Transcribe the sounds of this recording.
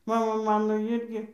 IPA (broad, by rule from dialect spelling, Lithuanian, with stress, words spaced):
ˈmɑːmɐ ˈmɑːnoː ˈɪrʲɡʲɪ